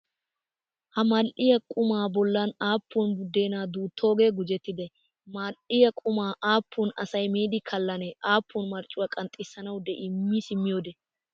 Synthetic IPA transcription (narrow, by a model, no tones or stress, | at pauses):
hɐmɐlʔɪjɐkʼʊmaːbɔlːɐnaːpːunbʊd̪ːe̞ːnaːd̪uːt̪ːo̞ːɡe̞ːɡʊd͡ʒɛt̪ːɪd̪ɛ | maːlʔɪjɐkʼʊmaːʔaːpːʊnɐ̰sɐjmeːd̪ɪkʰɐlːɐnɛʔaːpːʊnmɐɾt͡ʃʼːʊwɐkʼɐnt̪ʼːɪsːɐnɐwd̪ɛʔɪmːisɪmːɪjo̞ːd̪ɛ